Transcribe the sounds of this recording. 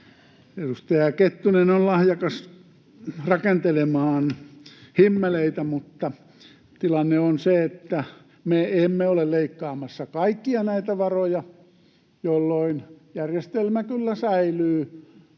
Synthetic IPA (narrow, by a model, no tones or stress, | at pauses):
erust̪ɑjɑket̪ːunenollɑhjɑkɑs | rɑkent̪elemɑːnhimːæleit̪æmut̪ːɑ | t̪ilɑnːeonseet̪ːæ | meemːeolelleikːɑːmɑsːɑkɑikːiɑnæit̪æʋɑrojɑ | jolːoinjærjest̪elmækylːæsæilyː